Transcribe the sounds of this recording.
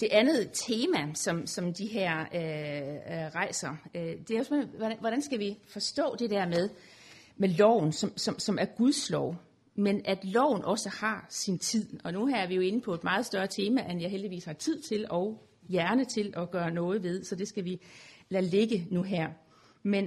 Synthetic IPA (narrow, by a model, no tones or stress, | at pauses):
d̥e̝ʔænð̞̩ˠt͡sʰe̝ːmæsɒ̽msɒ̽md̥iɦæɐ̰ø | ʁɑ̈ɪ̰sɐød̥e̝æɒsʋeɒæʋɒɾ̥ænsɡ̥æʋifɒ̽sd̥ɔ̰̽ːd̥e̝d̥æɐ̰meðˠ | melɒʊ̰n̩sɒ̽msɒ̽msɒ̽mæɐɡ̥uðˠslɒʊ̰ | menʔæd̥lɒʊ̰n̩ʔɒ̽səhɑ̈sint͡sʰið̞̰ˠɒ̽nuæɐʋijo̝e̝nəpʰɒ̽e̝d̥mɑ̈ːð̞̩ˠsd̥ɶɐt͡sʰe̝ːmæʔenjɑɪeld̥iʋḭːshɑ̈t͡sʰið̞̰ˠt͡sʰe̝lɒ̽ʊ | jæɐnət͡sʰe̝lɒ̽ɡ̥ɶːɐnɔ̽ːð̞̩ˠʋe̝ð̞ˠsɒ̽d̥e̝sɡ̥æʋilæle̝ɡ̥ənuɦæɐ̰ | men